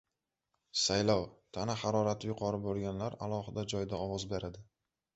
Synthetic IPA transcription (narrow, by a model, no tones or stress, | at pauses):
sajlɒwt̪ʰanahaɾɒɾat̪ʰɪjʊqʰɒɾɪboɾˠɡʲanlaɾa̰lˠɒhɪd̪ad͡ʒɒjd̪aɒwɒzbe̞ɾad̪ɪ